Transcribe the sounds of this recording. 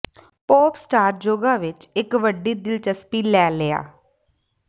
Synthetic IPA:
poːpsʈaːɾd͡ʒoːɡaːʋɪt͡ʃɪkʋəɖiːd̪ɪlt͡ʃəspiːlɛːlɪa̰ː

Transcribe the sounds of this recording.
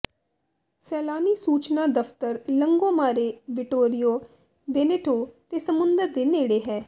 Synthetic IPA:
sɛːlaːniːsuːt͡ʃnaːd̪əft̪əɾləŋɡõːmaːɾeːʋɪʈoːɾɪjoː | beːneːʈoːt̪eːsəmʊnd̪əɾd̪eːneːɽeːɦɛː

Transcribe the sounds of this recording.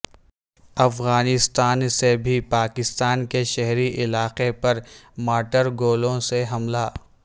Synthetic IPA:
ɐfɣaːnɪst̪aːnsebʱipaːkɪst̪aːnkeʃɛɦɾiʔɪlaːqepɐɾmaːʈəɾɡoːlõseɦɐmlaː

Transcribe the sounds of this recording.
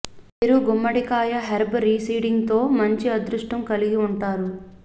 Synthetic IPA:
miɾuɡumːɐɽikaːjɐɦeɾbɾiːsiːɽiŋɡt̪o̞ːmɐɲt͡ʃiɐd̪ɾuʂʈɐmkɐliɡiuɳʈaːɾu

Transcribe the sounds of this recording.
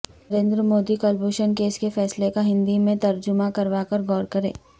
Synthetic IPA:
ɾẽːnd̪ɾəmoːd̪ikɔːlboːʃənkeːskefɛːslekaɦɪ̃nd̪imẽt̪ɐɾd͡ʒʊmakɐɾʋakɐɾɡɔːɾkɐɾḛ̃ː

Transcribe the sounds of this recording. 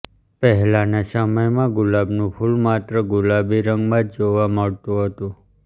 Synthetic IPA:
pəɦɛlanasəməjmãɡʊlabnũpʰulmat̪ɾəɡʊlabiɾəŋɡmãd̪d͡ʒoʋaməɭt̪ũɦət̪ũ

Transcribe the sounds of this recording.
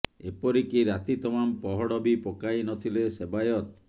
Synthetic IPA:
epɔɾikiɾat̪it̪ɔmampɔɦɔɽɔbipokajnɔt̪ʰilesebajɔt̪̚

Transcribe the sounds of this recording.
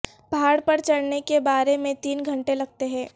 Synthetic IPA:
baːɽpɐɾt͡ʃɐɽnekebaːɾemẽt̪iːnɡʱɐ̃ɳʈelɐɡ̚t̪eɦɛ̃ː

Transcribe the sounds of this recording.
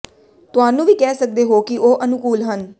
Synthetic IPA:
t̪ʊaːnũːʋiːkɛːsək̚d̪eːɦoːkɪʔoːʔənʊkuːlɦən

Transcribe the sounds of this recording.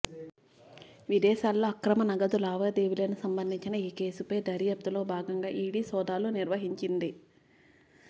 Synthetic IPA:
ʋid̪ɛːʃaːlːo̞ːɐkɾɐmɐnɐɡɐd̪ulaːʋɐːd̪eːʋilɐnusɐmbɐnd̪ʱiɲt͡ʃinɐiːke̞ːsupɐjd̪ɐɾjɐp̚t̪ulo̞ːbʱaːɡɐŋɡaːʔiːɽiːsɔːd̪aːluniɾʋɐɦiɲt͡ʃind̪i

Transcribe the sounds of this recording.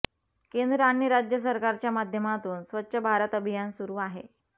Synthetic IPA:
kend̪ɾəaɳiɾad͡ʑjəs̬əɾkaɾt͡ɕjamad̪ʱjəmat̪uːnsʋət̪ːɕəbʱaɾət̪əbʱijansuɾuːaɦḛ

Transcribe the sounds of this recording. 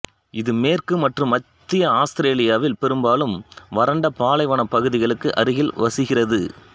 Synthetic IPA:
ɪðɯmeːrkɯmɐʈrɯmːɐt̪ːɪjɐaːst̪ɪɾeːlɪjaːʋɪlpɛɾɯmbaːlɯmʋɐɾɐɳɖɐpaːlɐɪʋɐɳɐpːɐɣɯðɪɣɐɭɯkːɯʔɐ̰ɾɯɣɪlʋɐsɯɣɪrɐðɯ

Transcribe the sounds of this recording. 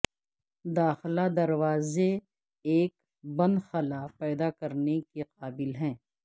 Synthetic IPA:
d̪aːxlad̪ɐɾʋaːze | eːk | bɐ̃nd̪xɐlaːpɛːd̪akɐɾnekeqaːbɪlɦɛ̃ː

